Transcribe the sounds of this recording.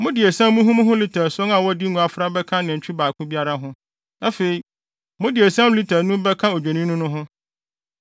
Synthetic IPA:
mʊ̃˦dɪ˨e˨sã˦mũ˦ɦũ˦m˦ɦʊ̃˦li˦tʰæ˨sɔ˦ŋã˨wɔ˦di˦nũ˨a˨fɾa˦bɛ˦kʰã˦nɪ̃˨ɲ̩˨t͡ɕᶣʰi˦baː˨kʰʊ̃˦bi˦a˦ɾa˦ɦʊ̃˦ | na˦fe˨i˨ | mʊ̃˦dɪ˨e˨sã˦mʊ̃˦li˦tʰæ˨nũ˦bɛ˦kʰã˦o˨d͡ʑᶣe˨nĩ˦nʊ̃˦nʊ̃˦ɦʊ̃˦

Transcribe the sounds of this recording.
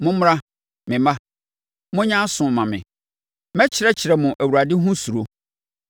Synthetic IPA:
mʊ̃˦m˦ã˦ | mɪ̃˨mã˦ | mʊ̃˦ɲã˦sʊ̃˨mã˨mɪ̰̃˨ | mɛ˦t͡ɕʰɪ˨ɾɛ˦t͡ɕʰɪ˨ɾɛ˨mʊ̃˨ʔæ˨wu˨ɾa˨dɪ˦ɦʊ̃˦su˨ɾo˦

